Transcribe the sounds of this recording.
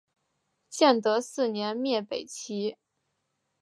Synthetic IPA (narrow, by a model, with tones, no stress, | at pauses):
t͡ɕjɛ˥˩nt̪ɤ˧˥sɹ̩˥˩njɛ˧˥nmjɛ˥˩pe˨˩ɪt͡ɕʰi˧˥